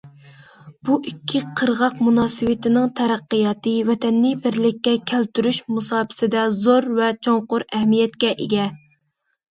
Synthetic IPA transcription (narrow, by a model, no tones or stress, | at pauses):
b̥uʔikʲʰːiqʰəɾʁɑqmunɑːsɨwɪt̪ɪnɪŋt̪ʰɛɾæqːəjɑːt̪ɨvɛt̪ʰɛnːɪbɪɾlɪkʲːɛkʲʰælt̪yɾyʃmusɑːpʰɪ̥sɪd̪ɛzoɾvɛt͡ʃʰoŋqʊɾɛhmijɛt̪kʲɛʔeɡʲɛ